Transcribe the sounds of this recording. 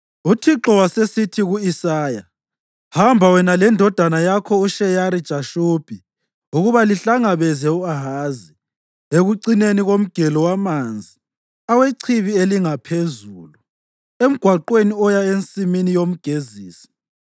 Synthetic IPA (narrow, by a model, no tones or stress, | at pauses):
utʰiǁɔwasesitʰiɣuisaːja | hambʱawɛnalɛndʱɔd̥ʱanajakʰɔuʃɛjaɾid̥ʒ̥ʱaʃub̥ʱi | uɣuβaliɬaŋaβɛzɛuaɦaːzi | eɣuǀineniɣom̩ɡ̥ʱɛlɔwamand͡zʱi | aweǀʰiβieliŋapʰezuːlu | em̩ɡ̥ʱwaǃweniɔjaent͡sʼiminijom̩ɡ̥ʱeziːsi̥